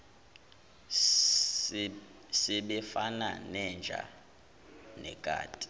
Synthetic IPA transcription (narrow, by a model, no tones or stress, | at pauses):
sɛɓɛfana̰nɛnd͡ʒʱa̰ | nɛkʼa̰ːtʼi̥